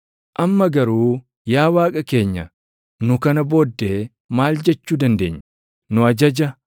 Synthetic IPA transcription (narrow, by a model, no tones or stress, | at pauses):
ʔɐmːɐɡɐɾuː | jaːwaːkʼɐke̞ːɲːɐ̰ | nʊkɐnɐbo̞ːd̪ːe̞ː | maːld͡ʒɛt͡ʃːuːd̪ɐnd̪e̞ːɲː | nʊɐd͡ʒɐd͡ʒɐ